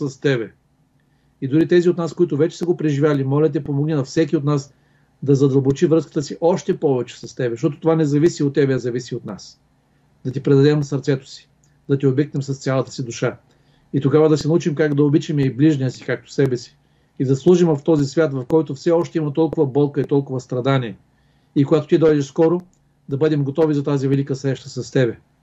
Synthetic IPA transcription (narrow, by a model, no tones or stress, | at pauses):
sɐst̪ɛbɛ | id̪ʊɾit̪ɛziot̪naskoit̪ʊvɛt͡ʃɛ̥səɡopɾɛʒivʲjalimɔlʲɐt̪̬ɛpomoɡninɐfsɛk̬ʲiot̪nas | d̪ɐzɐd̪ɐlˠbot͡ʃivɾɤskə̥t̪əsiʔɔʃt̪ɛpɔvɛt͡ʃɛ̥sɐst̪ɛbɛʃt̪ɔt̪o̥t̪ovanɛzɐvisiot̪ːɛbɛɐzɐvisiot̪nas | d̪ɐt̪ipɾɛd̪ɐd̪ɛmsɐɾt̪sɛt̪ʊ̥si̥ | d̪ɐt̪iobɛk̚nɛmsɐst̪sʲalˠɐt̪ə̥sid̪ʊʃa | it̪oɡavɐd̪ɐsɛnɐut͡ʃimkakd̪ɐobit͡ʃimɛibliʒnijəsi̥kak̚t̪o̥sɛbɛsi̥ː | d̪ɐslˠuʒimvɐft̪ɔzisvʲjat̪vɐfkɔjt̪ʊfsɛɔʃt̪ɛimɐt̪ɔlˠkʊvɐbɔlˠkəit̪ɔlˠkʊvɐst̪ɾɐd̪aniɛ | ikoɡat̪o̥t̪id̪ɔjd̪ɛʃskɔɾo | d̪ɐbɤd̪ɛmɡot̪ɔvizɐt̪azivɛlikəsɾɛʃt̪ə̥sɐst̪ɛbɛ